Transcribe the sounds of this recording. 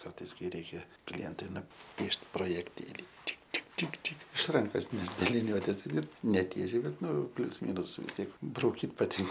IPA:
ˈkɐrtɐɪs ˈkɐɪ ˈrʲɛɪkʲɛ ˈklʲiɛntʊɪ nʊˈpʲiɛʃt proːjɛkˈtʲeːlʲiː ˈt͡ʃʲɪk ˈt͡ʃʲɪk ˈt͡ʃʲɪk ˈt͡ʃʲɪ ɪʃ ˈrɐŋkoːs nʲɛt bʲɛ lʲɪˈnʲuɔtʲeːs ɪr nʲɛˈtʲiɛsʲɛɪ ˈbʲɛt ˈnʊ ˈpʲlʲʊs ˈmʲiːnʊs ʋʲɪs tʲiɛk brɐʊˈkʲiːt pɐˈtʲɪn

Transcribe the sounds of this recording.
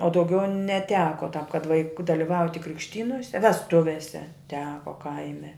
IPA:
oː dɐʊˈɡʲɛʊ nʲɛˈtʲæːkoː tɑːp kɐt ʋɐɪˈkʊ dɐlʲɪˈʋɐʊtʲɪ krʲɪkʃʲˈtʲiːnoːsʲɛ ʋʲɛsˈtʊʋʲeːsʲɛ ˈtʲæːkoː ˈkɐɪmʲɛ

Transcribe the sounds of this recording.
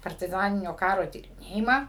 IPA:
pɐrʲtʲɪˈzɑːnʲɪnʲoː ˈkɑːroː tʲiːrʲɪˈnʲeːjɪmɑː

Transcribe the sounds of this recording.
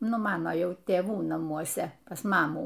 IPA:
ˈnʊ ˈmɑːnoː ˈjɛʊ tʲeːˈʋuː nɐmuɔˈsʲɛ pɐs ˈmɑːmuː

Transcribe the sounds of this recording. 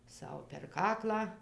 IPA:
ˈsɐʊ pʲɛr ˈkɑːklˠɑː

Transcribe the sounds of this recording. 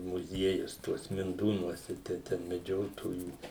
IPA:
mʊˈzʲiɛjʊs ˈtuɔs mʲɪnˈduːnuɔsʲɛ ˈtɐɪ tʲɛn mʲɛˈd͡ʒʲoːtoːjuː

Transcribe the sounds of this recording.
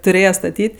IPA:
tʊˈrʲeːjɛ stɐˈtʲiːtʲ

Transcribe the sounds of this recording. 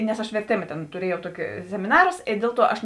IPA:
nʲɛs ɐʃ ʋʲɛrʲˈtʲeːmɐ tʲeːn tʊˈrʲiɛjɛʊ ˈtuɔkʲɪ sʲɛmʲɪˈnɑːrʊs ɪ ˈdʲeːlˠ ˌtuɔ ɐʃ

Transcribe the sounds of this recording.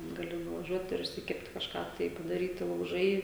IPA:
ɡɐˈlʲɪ nʊʋɐˈʒʲuɔt ɪr ɪʃʲsʲɪˈkʲɛpt kɐʃˈkɑː tɐɪ pɐdɐˈrʲiːtʲɪ lˠɐʊˈʒɐɪ

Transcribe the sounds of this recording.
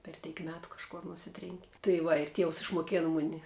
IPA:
pʲɛr ˈtʲɛɪk ˈmʲæːtʊ kɐʃˈkoːr nʊˈsʲɪtʲrʲeːŋʲkʲɪ tɐɪ ˈʋɐ ɪr ˈtʲiɛws ɪʃmoːˈkʲeːnɐ ˈmʊnʲɪ

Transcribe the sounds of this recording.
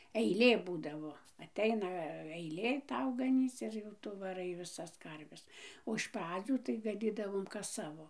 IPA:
ɛɪˈlʲeː ˈbuːdɐʋoː ɐˈtʲɛɪnɐ ɐɪˈlʲeː ˈtɐʊ ɡɐˈnʲiːt͡s ɪr jɛʊ ˈtʊ ʋɐˈrɐɪ ʋʲɪˈsɐs ˈkɐrʲʋʲɛs oː ɪʃ ˈprɑːd͡zʲuː tɐɪ ɡɐˈnʲiːdɐʋoːm kɐs ˈsɑːʋoː

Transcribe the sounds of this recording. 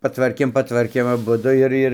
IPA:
pɐˈtʋɐrʲkʲeːm pɐˈtʋɐrʲkʲeːm ɐˈbʊdʊ ɪr ˈɪr ˈɪr

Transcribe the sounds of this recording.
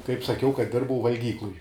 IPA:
kɐɪp sɐˈkʲɛʊ kɐt ˈdʲɪrbɐʊ ʋɐlʲˈɡʲiːklˠʊj

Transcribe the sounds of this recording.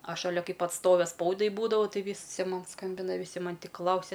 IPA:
ɐʃ ʃɐˈlʲɛ kɐɪp ɐtˈstoːʋʲɛ ˈspɐʊdɐɪ ˈbuːdɐʋɐʊ ˈtɐɪ ˈʋʲiːsʲɪ ˈmɐn ˈskɐmʲbʲɪnɐ ʋʲɪˈsʲɪ ˈmɐnʲ tʲɪk ˈklˠɐʊsʲɛ

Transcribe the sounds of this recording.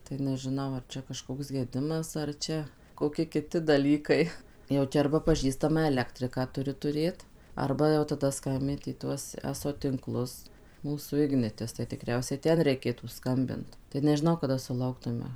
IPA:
tɐɪ nʲɛʒʲɪˈnɐʊ ɐr ˈt͡ʃʲɛ kɐʃˈkoːks ɡʲɛˈdʲɪmɐs ɐr ˈt͡ʃʲɛ koːˈkʲɪ kʲɪˈtʲɪ dɐˈlʲiːkɐɪ jɛʊ ˈt͡ʃʲɛ ɐrbɐ pɐˈʒʲiːstɐmɑː ɛˈlʲæːktʲrʲɪkɑː tʊˈrʲɪ tʊˈrʲeːt ˈɐrbɐ jɛʊ tɐˈdɐ ˈskɐmʲbʲɪnt iː ˈtuɔs ˈæːsoː tʲɪŋˈklˠʊs ˈmuːsuː ˈɪɡnʲɪtʲɪs tɐɪ tʲɪˈkrʲɛʊsʲɛɪ ˈtʲɛn rʲɛɪˈkʲeːtuː ˈskɐmʲbʲɪnt tɐɪ nʲɛʒʲɪˈnɐʊ kɐˈdɐ sʊˈlˠɐʊktʊmʲɛ

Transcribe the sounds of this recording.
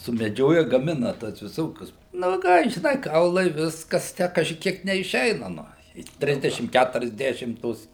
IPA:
sʊmʲɛˈd͡ʒʲoːjɛ ɡɐˈmʲɪnɐ tɐs ʋʲɪˈsoːkʲʊs nʊ ˈkɑː ʒʲɪˈnɐɪ ˈkɐʊlˠɐɪ ˈʋʲɪskɐs ˈtʲæː kɐʒʲɪˈkʲiɛk nʲɛɪʃʲˈɛɪnɐ ˈnʊ ɪ ˈtʲrʲɪzʲdʲɛʃʲɪm kʲætʊrʲɛzʲˈdʲæːʃʲɪm ˈtoːs

